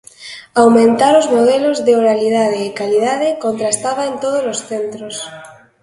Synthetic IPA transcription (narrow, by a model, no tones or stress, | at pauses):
awmẽnt̪aɾozmoð̞elozðeoɾalið̞að̞eːkaliðaðekont̪ɾast̪aβaent̪oð̞ozlosθent̪ɾos